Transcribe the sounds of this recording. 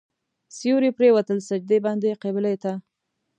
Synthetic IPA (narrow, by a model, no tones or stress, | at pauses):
sijuɾipɾewat̪əlsad͡ʒd̪ebɑnd̪eqebɪlet̪a